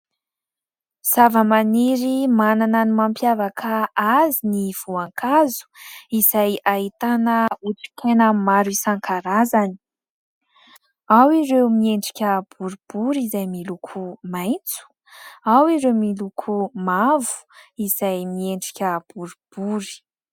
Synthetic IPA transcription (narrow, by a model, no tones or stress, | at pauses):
z̥avəmaniɾimanananimampjavakʰaaziniv̥uaŋkazu̥iz̥ajaɦit̪anəuʈ͡ʂi̥k̪ʰenəmaɾisaŋkʰaɾazani̥ | awirewmieɳɖ͡ʐi̥kʲəb̥uɾib̥uɾizajmilukʰumajnt͡su̥ | awiɾewmilukʰumavu̥izajmieɳɖ͡ʐikʲəb̥uɾub̥uɾi̥